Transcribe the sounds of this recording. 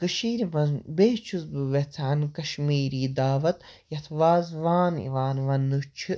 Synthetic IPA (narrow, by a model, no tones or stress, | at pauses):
kɨʃiːɾimɐnbeːt͡ʃʰuzbɨʋet͡sʰʕɐnkɐʃmiːɾiːd̪aːʋɐt̪ | jɐt̪ʰʋaːzʋaːnḭʋaːnʋɐnːut͡ʃʰɨ